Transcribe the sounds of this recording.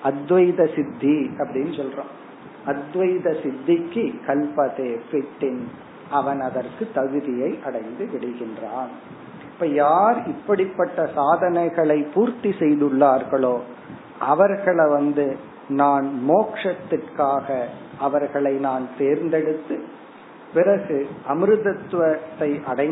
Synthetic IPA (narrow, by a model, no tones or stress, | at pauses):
ʔɐd̪ʋɐjðɐsɪd̪ʱːiɐpːɐɽɪnːɯsɔlrõː | ɐd̪ʋɐjðɐsɪd̪ʱːɪkːɯkɐlpɐðeːfɪʈːɪn | ʔɐʋɐnɐðɐrkɯt̪ːɐɣɯðɪjɐɪʔɐɽɐɪnd̪ɯʋɪɽɐɪɣɪndraːn | ɪpːɐːjaːɾɪpːɐɽɪpːɐʈːɐsaːðɐnɐɪɣɐɭɐɪpuːɾt̪isɛjðɯɭːaːɾɣɐɭoː | ʔɐʋɐɾɣɐɭɐʋɐnd̪ɯ | naːnmoːkʂɐt̪ːɪrkaːɣɐʔɐʋɐɾɣɐɭɐɪnaːnt̪eːɾnd̪ɛɽɯt̪ːɯ | pɪrɐɣɯʔɐmɯɾɯðɐt̪ːʋɐt̪ːɐɪʔɐɽɐɪ